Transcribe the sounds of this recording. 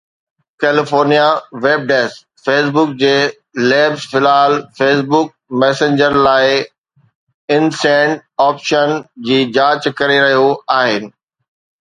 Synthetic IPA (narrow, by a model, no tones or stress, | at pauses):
kɛːlɪfoːɾnijaʋeːb̚ɖeːs | feːs̬bʊk̚d͡ʑeː | lɛːbzfɪlaːlfeːsbʊk̚mɛːsẽɲd͡ʑəɾlaːɪ | ɪnsɛ̃ːɳɖaːpʃənd͡ʑiːd͡ʑaːt͡ɕkɐɾeɾɐɦijoaːɦɪnɪ̆